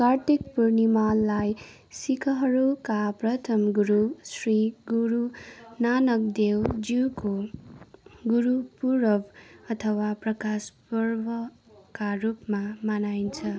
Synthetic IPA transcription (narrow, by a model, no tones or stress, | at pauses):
kart̪ik̚purnimalːaj | sikʰʌɦʌɾukaprʌt̪ʰʌmɡuɾusriɡuɾunanʌk̚d̪ewd͡ziwko | ɡuɾupuɾʌbʌt̪ʰʌwaprʌkaspʌrbʌ | karupmamanajnt͡sʰʌ